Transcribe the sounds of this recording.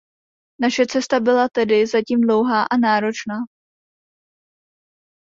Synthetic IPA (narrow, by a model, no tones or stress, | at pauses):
naʃɛt͡sɛst̪abɪlat̪ɛdɪzaciːmdlowɦaːʔanaːɾo̞t͡ʃnaː